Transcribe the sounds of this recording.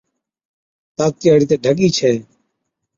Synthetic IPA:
t̪aːk̚t̪ɪjaːɽiːt̪eːɖʱəɠiːt͡ʃʰɛː

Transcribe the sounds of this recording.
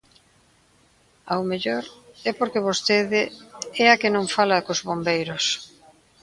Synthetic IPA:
awmeʎoɾɛpoɾkeβ̞ost̪eðɪɛɐkenõŋfalɐkozβombejɾʊs

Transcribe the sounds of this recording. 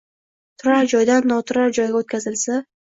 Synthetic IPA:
t̪ʰʊɾaɾd͡ʒɒjd̪anːɒt̪ʰʊɾaɾd͡ʒɒjɡʲaot̪kʰʲazɪlsa

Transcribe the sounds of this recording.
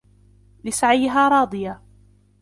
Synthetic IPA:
lɪsaʕajːɪɦaːɾˤɑːd̪ˤɨja

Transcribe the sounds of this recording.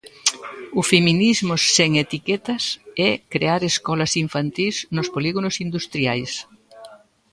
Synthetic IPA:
ʊfeminizmʊseŋet̪ikɛt̪ɐsɛkɾeaɾeskɔlɐsiɱfant̪iznʊspoliɣonʊsind̪ust̪ɾiajs

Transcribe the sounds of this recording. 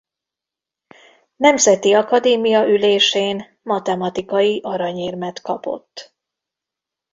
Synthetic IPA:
nɛmzɛt̪iɒkɒd̪eːmijɒʔyleːʃeːn | mɒt̪ɛmɒt̪ikɒjiʔɒɾɒɲeːrmɛt̪kɒpo̞̰t̪ː

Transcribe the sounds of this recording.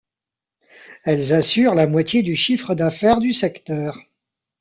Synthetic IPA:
ɛlzasyʁlamwat̪jed̪yʃifχəd̪afɛʁd̪ysɛkt̪œːʁ

